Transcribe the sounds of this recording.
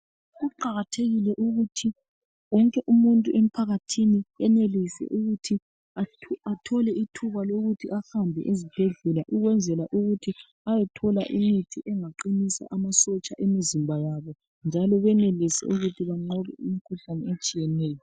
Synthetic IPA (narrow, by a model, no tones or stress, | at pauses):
ɣuǃaɣatʰeɣilɛʔuɣutʰi | wɔŋkʼɛʔumuntʼuʔem̩pʰaɣatʰiniɛnelisɛ̰ʔuɣutʰi | aatʰɔlɛitʰuβaloɣutʰiʔahambʱɛ̰ʔezib̥ʱeɮɛlaʔuɣwɛnd͡zʱɛlaʔuɣutʰi | ajɛtʰɔla̰ʔimitʰiʔɛŋaǃinisa̰ʔamasɔt͡ʃʼaʔemizimbʱajaβɔ | nd͡ʒʱalɔβɛnelisɛ̰uɣutʰiβaŋ͡ǀɔβɛ̰imikʰuɬanɛet͡ʃʼijɛnɛːjɔ